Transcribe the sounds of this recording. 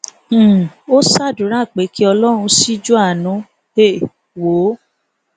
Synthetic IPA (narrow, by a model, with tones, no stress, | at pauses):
o˦sa˦˨du˨˦ɾa˦˨k͡pe˨˦ki˦ɔ˧lɔ˦ɾ̃ũ˧si˦d͡ʒu˦a˦˨nũ˨˦ | e˦˨ | wo˨˦